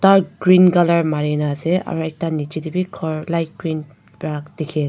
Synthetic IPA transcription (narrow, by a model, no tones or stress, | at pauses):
t̪aɾɡɾinkʌlɐɾmaɾinasea̰ɾuek̚tanit͡ʃid̪ibikʰɔɾlajt̚ɡ̥ɾin | bɾak̚d̪̥ikʰe